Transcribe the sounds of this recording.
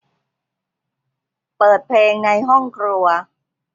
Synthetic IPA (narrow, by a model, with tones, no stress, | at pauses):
pɤː˨˩t̪̚pʰleː˧ŋna˧jɦɔ˥˩ŋkʰɾu˧ɐ